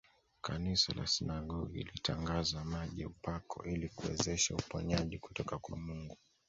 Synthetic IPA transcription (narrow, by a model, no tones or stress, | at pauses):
kanisala̰sinaɠɔɡiilitaŋɡazamaʄɛupakʰɔ̰ʔilikuwɛ̰zɛʃaupɔɲaʄiku̥tɔkakwamuŋɡu